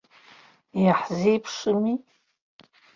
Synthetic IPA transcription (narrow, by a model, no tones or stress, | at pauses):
jaħzipʰʂɨmi